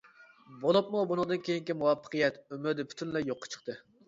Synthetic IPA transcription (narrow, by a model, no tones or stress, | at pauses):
bolˠɨp̚mubunɨŋd̪ɨnkʲʰejiŋkʲimuwɑpʰːə̥qʰɨjɛt̪ymyɾd̪ɪpʰy̥t̪ʰynlɛjoqʰːɑ̥t͡ʃʰə̥qt̪ʰɨ